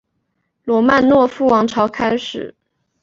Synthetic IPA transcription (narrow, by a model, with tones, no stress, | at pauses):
lwɔ˧˥ma˥˧nnwɔ˥˧fu˥˩wɑ˧˥ŋʈ͡ʂʰɑ˧˥ʊkʰa˥ɪʂɻ̩˨˩˦